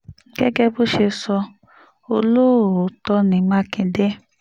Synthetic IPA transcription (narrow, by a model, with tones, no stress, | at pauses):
ɡ̥ɛ˦ɡɛ˦bo˦ʃe˧sɔ˧ | o˧lo˦˨o˨˦tɔ˧nĩ˨˦mã˦kĩ˧de˦